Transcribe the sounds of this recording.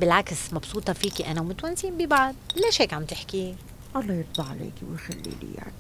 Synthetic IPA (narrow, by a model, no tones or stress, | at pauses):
bɪlʕaksmɑbsˤuːt̪ˤɑfiːkiʔanawmʊt̪wansiːmbibaʕd̪̚laʃheːkʕamt̪ɪħki | ʔɑlˤːɑːjɨt̪̚ˤbɑʕːalḛːkiwjxalːḭlḭja̰ʕni